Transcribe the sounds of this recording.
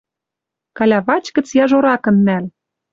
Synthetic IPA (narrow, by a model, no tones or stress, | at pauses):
kɑlʲɑβɑt͡ɕkə̆t͡sjɑʒoɾɑkɤ̆nːæl